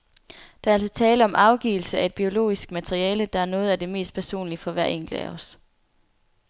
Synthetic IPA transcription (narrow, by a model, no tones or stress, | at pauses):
d̥ɑ̈æɐæl̰s̬ɒt͡sʰɛːləɒ̽mʔɑ̈ʊɡ̥ḭːl̩səæe̝d̥̚b̥io̝lo̝̰ːisɡ̥mæt͡sʰeʁiɛːləd̥ɑ̈æɐnɔ̽ːð̞̩ˠæd̥e̝me̝̰ːsd̥̚pʰæɐso̝̰ːnlifɒ̽ʋæɐ̰eŋ̰ɡ̥l̩æ̰ɒs